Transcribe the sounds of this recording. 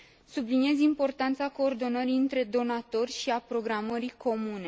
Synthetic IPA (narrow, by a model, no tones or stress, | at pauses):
sublinije̞zimpo̞rt̪ant̪sako̞ːrd̪o̞nəɾiɨnt̪ɾe̞d̪o̞nat̪o̞rʲʃiapɾo̞ɡɾaməɾikʰo̞mune̞